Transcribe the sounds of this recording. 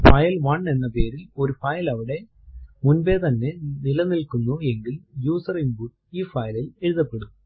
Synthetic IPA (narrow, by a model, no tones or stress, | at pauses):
fɐjɐlʋɐɳːe̞nːɐpeːɾilo̞ɾufɐjɐlɐʋiɽe̞ | munbeːt̪ɐnːenilɐnilkunːueŋɡiljuːsɐriŋbuʈ | iːfɐjɐlɐɪeɻɯðɐpːeɽum